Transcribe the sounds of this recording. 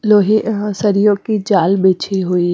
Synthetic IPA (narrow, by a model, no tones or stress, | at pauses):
loːɦisɐɾijõkid͡ʒaːlbeːt͡ʃʰiɦui